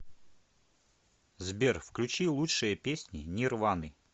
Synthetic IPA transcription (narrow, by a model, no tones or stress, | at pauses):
zbʲerfklʲʉt͡ɕilˠutʂɨjəpʲesʲnʲɪnʲɪrvanɨ